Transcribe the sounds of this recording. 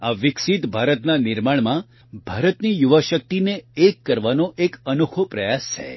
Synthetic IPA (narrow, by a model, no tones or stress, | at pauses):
aʋɪksit̪bʱaɾət̪nanɪɾmaɳmã | bʱaɾət̪nijuʋəʃək̚t̪ineːkːəɾʋanoʔekənukʰopɾəjast͡ʃʰḛ